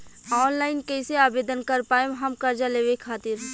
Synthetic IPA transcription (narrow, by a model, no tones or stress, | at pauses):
ɔːnlaːɪnkɛɪseaːbeːd̪ənkəɾpaːeɦɐmkɐɾd͡ʒaleːʋekʰaːt̪ɪɾ